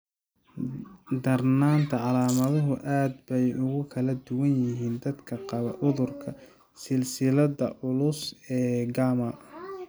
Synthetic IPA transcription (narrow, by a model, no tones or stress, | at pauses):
d̪ɐrnaːnt̪ʰɐʕɑlaːmɐðɐɦʊʔaːd̪bɛjʔʊɣʊkʰɐlɐd̪ʊwɐnjɪɦiːnd̪ɐd̪kʰɐqɑβɐʔʊðʊrkʰɐ | sɪlsɪlɐðɐʔʊlʊsɛːɡaːmɐ